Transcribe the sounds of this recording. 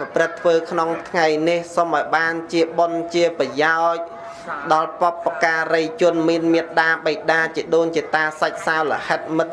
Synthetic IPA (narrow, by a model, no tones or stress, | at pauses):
prɨt̪ʰːʋəːkʰnoŋt̪ʰŋajnihsomʔɑɔjɓaːnt͡ɕiəɓont͡ɕiəprɑjaɔc̚ | ɗɑlpopːakaːrəjt͡ɕʊ̆ənmiənmiət̪̚ɗaːɓəj̚ɗaːt͡ɕiəɗoːɲt͡ɕiət̪aːsac̚salə̰̆hət̪̚mɨt̪̚